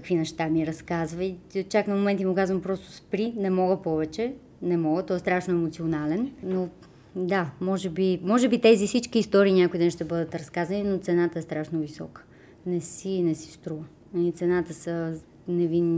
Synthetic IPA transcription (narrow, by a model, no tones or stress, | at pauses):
kəkvinɛʃt̪amiɾɐskazvəit͡ʃaknɐmomɛnt̪imukazvɐmpɾɔst̪ʊ̥spɾinɛmɔɡəpɔvɛt͡ʃɛ | nɛmɔɡət̪ɔɛst̪ɾaʃnoɛmot̪sionalɛnno | d̪amɔʒɛbimɔʒɛbit̪ɛzifsit͡ʃkiːst̪ɔɾiːnʲakoid̪ɛnʃt̪ɛbɤd̪ət̪ɾɐskazɐninot̪sɛnat̪əɛst̪ɾaʃnovisɔ̰kə̥ | nɛsinɛsi̥st̪ɾuvə | it̪sɛnat̪əsə | nɛvinː